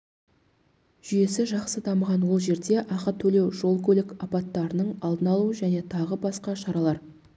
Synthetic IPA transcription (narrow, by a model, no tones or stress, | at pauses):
ʒ̥ʏje̞sɪʒɑqsəd̪ɑməʁɑnwo̞lˠʒe̞ɾd̪e̞ʔɑqət̪ʰɵle̞wʒo̞lˠkʲɵlɪkɑpɑt̪ːɑɾənəɴɑlˠd̪ənɑlˠuəʒæne̞t̪ʰɑʁəbɑsqɑʃɑɾɑlˠɑɾ